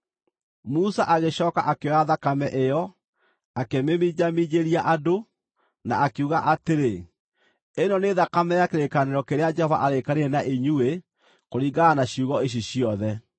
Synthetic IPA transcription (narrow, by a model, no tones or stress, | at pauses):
musaʔaɣeɕɔːkaʔakeɔaðakamɛʔejɔ | akememid͡ʑamiɲeɾiaʔado | na̰ʔakuɣaʔateɾe | enɔneðakamɛakeɾekaneɾɔkeɾead͡ʒɛhɔva̰ʔaɾekaɾeɾɛnaʔeɲue | koɾiːɡaːnaɕiuɣɔeɕ̬iɕiɔðɛ